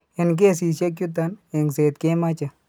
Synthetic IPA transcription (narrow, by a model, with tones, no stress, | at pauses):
ɪ˨nk̬e˦˨s̬i˨sa˦k̬ju˦t̪̬a˦ne˨ŋseː˨t̪ke˦ma˦t͡ʃa˨